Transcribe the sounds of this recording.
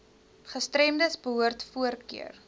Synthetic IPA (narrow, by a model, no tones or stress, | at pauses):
χəstrɛmdəsbəɦuərtfuərkḭər